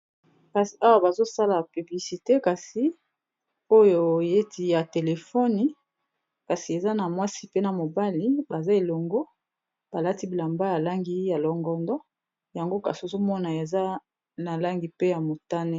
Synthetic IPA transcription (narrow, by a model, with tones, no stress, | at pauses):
ka˨si˨a˦wa˦ba˨zo˦sa˦la˨py˨bli˨si˨te˦ka˨si˨ | o˦jo˨je˦ti˨ja˨te˨le˨fɔ˦ni˨ | ka˨si˨e˨za˦na˨mwa˦si˦pe˦na˨mo˨ba˦li˦ba˨za˦e˨lo˨ŋɡo˦ | b̥a˨la˦ti˦bi˨la˨mba˦ja˨la˦ŋɡi˦ja˨lɔ˨ŋɡɔ˨ndɔ˦ | ja˨ŋɡo˦ka˨si˨o˨zo˦mɔ˦na˨e˨za˦ | na˨la˦ŋɡi˨pe˦ja˨mo˨ta˦ne˦